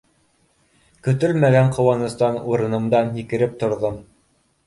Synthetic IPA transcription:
kɵ̆t̪ɵlmæɡæɴqŏwɑnɤ̆st̪ɑnuɾɤ̆nɤ̆md̪ɑnhikɘ̆ɾɘp̚t̪ŏɾðom

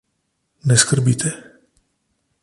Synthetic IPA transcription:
nɛskərbit̪ʰɛ

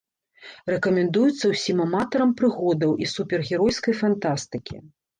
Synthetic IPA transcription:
rɛkɐmʲɛnd̪ujut̪sːɐwsʲimamat̪ɐɾɐmpɾɨɣɔd̪ɐwʔisupʲɛrɣʲɛɾɔjskɐjfant̪ast̪ɨkʲʰḭ

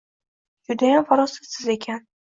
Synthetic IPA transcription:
d͡ʒʊd̪ajamfaɾɒsɪsɪze̞kʲʰan

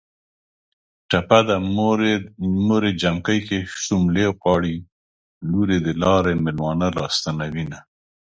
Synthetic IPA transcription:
ʈapad̪a | moɾed͡ʒamkəjkeʃumlewqɑɽi | luɾed̪əlɑɾemɪlmɑnalɑ̰st̪anawina

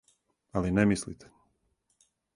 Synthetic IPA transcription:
alinemislḭt̪ʰe̥

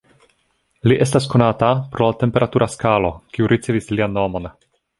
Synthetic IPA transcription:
liʔe̞s̬tasko̞natapɾo̞late̞mpe̞ɾatuɾaskalo̞kiuɾʔit͡sevislianːo̞mo̞n

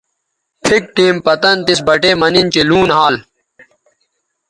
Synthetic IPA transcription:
pʰik̚ʈiːmpɐt̪ɐnt̪isbɐʈeːmɐnint͡ɕiluːnɦaːl

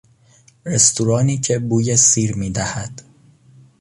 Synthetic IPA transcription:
re̞st̪ʰuɾɒːniːcʰe̞buːjesiːɾmiːd̪æhæd̪̥

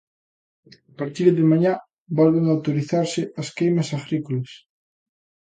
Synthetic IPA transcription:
apaɾt̪iɾðemaɲa | bɔlβeŋawt̪oɾiθaɾsɪɐskejmɐsaɣɾikolɐs

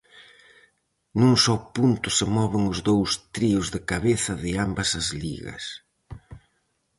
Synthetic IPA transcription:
nuŋsɔpunt̪ʊsɪmɔβɪŋʊzðowst̪ɾiʊzðɪkaβeθɐðɪambɐsɐzlḭɣɐ̰s

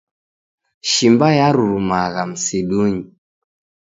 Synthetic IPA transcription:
ʃimbajaɾuɾumaɣam̩seɗuɲi

